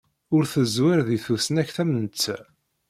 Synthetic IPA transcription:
ʊɾθəzwɪɾðiθusnæçθæmənt͡s̪ː

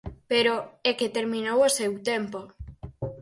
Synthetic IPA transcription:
peɾoeket̪eɾmĩnowosewt̪empo

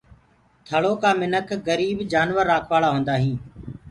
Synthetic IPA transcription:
t̪ʰəɭoːkaːmɪnəkʰɡəɾiːbd͡ʒaːnʋəɾːaːkʰʋaːɭaːɦõːnd̪aːɦĩː

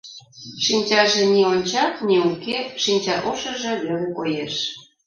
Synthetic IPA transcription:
ʃinʲt͡ɕɑʒĕnʲionʲt͡ɕɑkniukeʃinʲt͡ɕɑʔoʃə̆ʒĕlølə̆kojeʃ

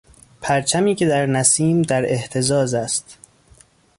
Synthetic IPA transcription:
pʰæɾt͡ʃʰæmiːcʰe̞d̪æɾnæsiːmd̪æɾe̞ht̪ʰe̞zɒːzæst̪

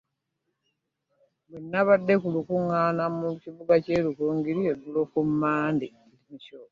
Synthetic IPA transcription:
benːaβadːe̞kulukuŋːanamuciβuɡaceːlukuːŋɡiɾieɡulokumːaːndi | limiʃoː

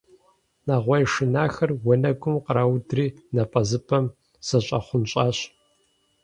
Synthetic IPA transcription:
naːʁʷɐjʂɪnaːxɐrwɔnɐɡʷʼʊmqəɾawdriːnɐpʼɐzɨpʰɐm | sɐɕʼɐ̰χʷʊnɕʼaːɕ

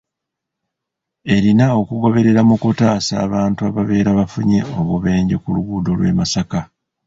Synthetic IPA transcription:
e̞ɾinao̞kuɡo̞βe̞ɾe̞ɾamukutaːsa̰ːβaːntuaβaβe̞ːɾaβafuɲe̞o̞βuβe̞ːɲɟekuluɡuːdo̞lwe̞̰masaka

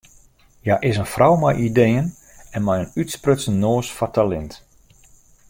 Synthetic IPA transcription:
jaʔɪsənfrʔɔwmajʔidejən | ɛnmɛjənytsprøtsənnːoːsfɔrtalɛnt

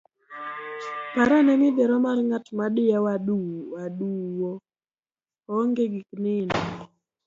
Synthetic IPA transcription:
paɾanɛmɪd̪ɛɾɔmarŋatmaɗɪjawaɗuwaduwɔ | ɔŋɡeɡiknɪnɔ

